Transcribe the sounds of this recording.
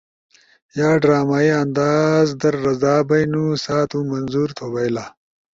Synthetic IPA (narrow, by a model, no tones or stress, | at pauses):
jaːɖɾaːmaːiɐnd̪aːzd̪ɐɾːɐzaːbɐjnusaːt̪umɐnzuɾt̪ʰobɐjlaː